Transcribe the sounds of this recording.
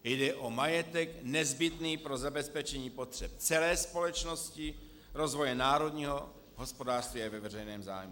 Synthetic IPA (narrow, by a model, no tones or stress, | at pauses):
jdɛʔomajɛt̪ɛknɛzbɪt̪niːpɾo̞zabɛspɛt͡ʃɛɲiːpot̪r̝̥ɛp̚t͡sɛlɛːspo̞lɛt͡ʃnoscɪ | ɾo̞zvo̞jɛnaːɾo̞dɲiːɦo | ɦo̞spo̞daːr̥st̪viːavɛvɛrɛjnɛːmza̰ːjmu